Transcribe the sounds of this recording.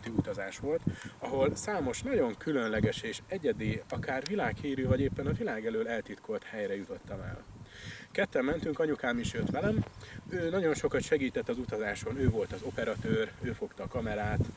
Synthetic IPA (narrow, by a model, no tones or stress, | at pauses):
t̪iut̪ɒzaːʃʋo̞lt̪ɒɦo̞lsaːmo̞ʃnɒɟo̞ŋkylø̞nlɛɡɛʃeːʃɛɟɛd̪eːɒkaːrvilaːkhiːɾyːvɒɟeːpːɛnɒvilaːɡɛløːlɛlt̪it̪kʰo̞lt̪hɛjrɛjut̪o̞t̪ːɒmɛ̰lkɛt̪ːɛmːɛnt̪yŋkɒɲukaːmiʃjø̞t̪ʋɛlɛmøːnɒɟo̞nʃo̞kɒt̪ʃɛɡiːt̪ɛt̪ːɒzut̪ɒzaːʃo̞nøːvo̞lt̪ɒzo̞pɛɾɒt̪øːrøːfo̞kt̪ɒːkɒmɛɾaːt̪